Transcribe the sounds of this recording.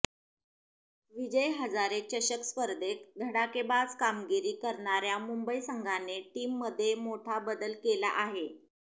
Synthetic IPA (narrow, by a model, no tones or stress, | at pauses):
ʋid͡ʑəjɦəd͡zaɾet͡ɕəɕəkspəɾd̪ʱek̚ɡ̪ʱəɽakebad͡zkamɡiɾiːkəɾɳaɾjamumbəisəŋɡʱaneʈiːmːəd̪ʱːjemoʈʰabəd̪əlkela̰ʔaɦe